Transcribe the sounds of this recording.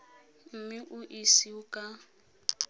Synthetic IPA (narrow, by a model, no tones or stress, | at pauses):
m̩miʔuʔisiukʼa